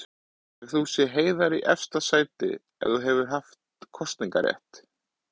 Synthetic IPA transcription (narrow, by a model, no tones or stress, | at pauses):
ɛɣθusjɛɦeːjðaɾiʔɛfst̪asaːjt̪ɪ̰ | ɛ̰θuɦɛvʏɾɦaft̪kʰɔst̪niŋka̰ɾjɛ̰ht̪